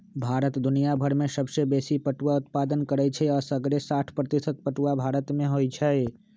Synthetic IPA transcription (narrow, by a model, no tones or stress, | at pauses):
bʱaːɾət̪d̪ʊnijabʱəɾmẽsəbsebeːsipəʈuwaʊt̪paːd̪ənkəɾɛt͡ʃʰɛɔːsəɡɾesaːʈʰpɾət̪ɪsət̪̚pəʈuwabʱaːɾət̪mẽɦoːit͡ʃʰɛe